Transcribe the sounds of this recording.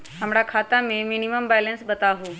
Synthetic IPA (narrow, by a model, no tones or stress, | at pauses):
ɦəmɾakʰat̪ameminiməmbɛlənsbət̪aɦũ